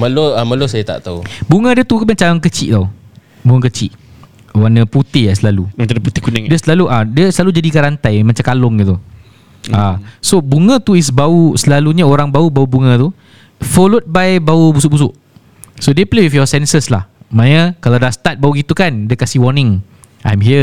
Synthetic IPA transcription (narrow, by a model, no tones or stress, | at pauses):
məloaməlosajat̪a̰ʔt̪aubuŋə̃diət̪ukəmat͡ʃaaŋkət͡ʃḭʔt̪aw | buŋə̃kət͡ʃḭʔ | wanə̃put̪iaslalumat͡ʃaput̪ikunadiəsəlaluʔadiəsəlalud͡ʒadikaɾant̪ajmãt͡ʃamkalʊŋit̪u | asobuŋə̃t̪uis̬bausəlaluɲaoɾaŋbaubaubuŋə̃t̪u | fɔlot̚bajbaubus̬uʔbus̬ʊʔ | sodeplewifjɔsɛnsəsla̰hmãnəkalawdast̪at̪̚bauɡit̪ukandəkasihwɔnɪ̃ŋ | ʔa̰jmɦiə